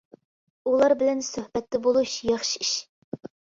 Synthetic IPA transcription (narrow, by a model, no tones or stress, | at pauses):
ulˠɑɾbɪlɛnsɵhbɛt̪lɪbolˠuʃjɑχʃiiʃ